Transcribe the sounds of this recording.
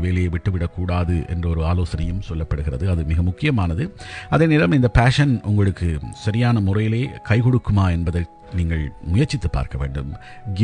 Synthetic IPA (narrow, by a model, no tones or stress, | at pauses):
ʋeːlɐjeːʋɪʈːɯʋɪɽɐkːuːɽaːðɯʔɛ̰ndrɐɔɾɯaːloːsɐnɐjɯmsɔlːɐpːɐɽɯɣɪrɐðɯɐðɯmɪɣɐmʊkːɪjɐmaːnɐðɯɐðeːneːlɐmɪnd̪ɐpaːʂɐnʔʊŋɡɐɭɯkːɯsɐɾɪjaːnɐmʊrɐjɪleːkɐɪkɔɽɯkːɯmaːɛnbɐðɐ | niːŋɡɐɭmʊjɐɾt͡ʃːɪt̪ːɯpːa̰ːɾkɐʋḛːɳɖɯm | ɡ